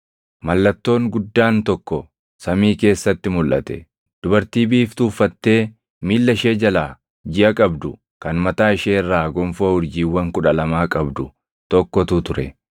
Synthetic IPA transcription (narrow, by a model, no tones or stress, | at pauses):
mɐlːɐt̪ːo̞ːŋɡʊd̪ːaːnt̪ɔkːɔ | sɐmiːke̞ːsːɐt̪ːɪmʊlʔɐt̪ɛ̰ | d̪̥ʊbɐɾt̪iːbiːft̪uːfːɐt̪ːe̞ː | miːlːɐʃe̞ːd͡ʒɐlaː | d͡ʒɪʔɐkʼɐbd̪ʊ | kɐnmɐt̪aːɪʃeːɪrːaːɡɔmfohʊɾd͡ʒiːwːɐŋkʊᶑɐlɐmaːkʼɐbd̪ʊ | t̪ɔkːɔt̪ʊt̪ʊɾɛ